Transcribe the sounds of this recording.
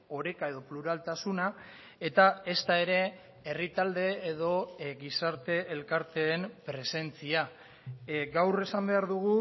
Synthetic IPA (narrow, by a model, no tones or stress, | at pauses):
o̞ɾe̞kae̞ðo̞pluɾalt̪asuna | e̞t̪aest̪ae̞ɾe̞ | e̞rit̪ald̪e̞eð̞o̞ɣisaɾt̪e̞elkaɾt̪e̞ːmpɾe̞se̞nt͡sia | ɡawre̞sambe̞aɾðuɣ̞u